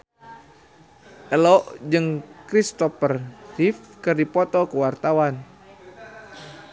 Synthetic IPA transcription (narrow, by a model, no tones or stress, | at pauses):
ʔəlɔʔd͡ʒɨŋkɾist̪ɔpərrifkɨrdipɔt̪ɔkəwart̪awan